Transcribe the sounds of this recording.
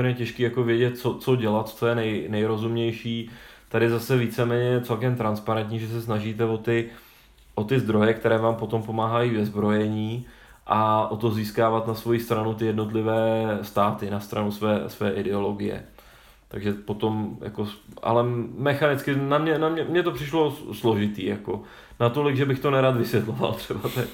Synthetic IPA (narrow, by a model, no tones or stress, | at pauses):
ɛɾɲɛcɛʃkiːjakovjɛɟɛt̪̚t͡sot͡so̞ɟɛlat̪t͡sojɛnɛjnɛjɾo̞zumɲɛjʃiːt̪adɪzasɛviːt͡sɛmɛːɲɛjɛt͡sɛlkɛmt̪ɾanspaɾɛnt̪ɲiːʒɛs̬ɛsnaʒiːt̪̬ɛvo̞t̪ɪ | ʔo̞t̪ɪzd̪ɾo̞jɛkt̪ɛɾɛːvaːmpo̞t̪o̞mpo̞maːɦajiːvɛzbɾo̞jɛɲiː | ʔaʔo̞t̪o̞ziːskaːvat̪nasvo̞jist̪ɾanut̪ɪjɛdno̞t̪lɪvɛːst̪aːt̪ɪnast̪ɾanusvɛːsvɛːʔɪdɛolo̞ɡɪjɛ̰ | t̪a̰ɡʒɛpo̞t̪o̞mjʔa̰ko̞ʔa̰lɛmɛxanɪt͡skɪnamɲɛnamɲɛmɲɛt̪o̞pr̝̥ɪʃlo̞slo̞ʒɪt̪ḭːjako | nat̪o̞lɪɡʒɛbɪxt̪o̞nɛɾaːt̪vɪsvjɛt̪lo̞va̰lt̪r̥ɛbat̪ɛ